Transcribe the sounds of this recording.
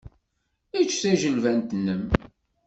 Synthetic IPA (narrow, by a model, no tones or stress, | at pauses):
it͡ʃːθæʒəlvænt̪nːəm